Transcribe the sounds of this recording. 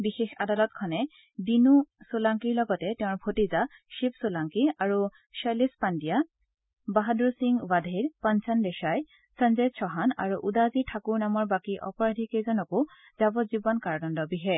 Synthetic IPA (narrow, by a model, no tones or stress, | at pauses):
bixexa̰dalɔtkʰɔnɛ | dinusulaŋkiɹlɔɡɔtɛtɛãɹbʱotizaʃipsʊlaŋkiaɹu | salispandija | baɦadɹusiŋbadʱeɹpansandɛʃaj | sənzɛsʰɔɦana̰ɹuʔudazitʰakuɹnamɔɹbakiʔɔ̰pɔɹadʱikejzɔnɔkʊ | z̥abɔtzibɔnkaɹnɔndɔbiɦɛ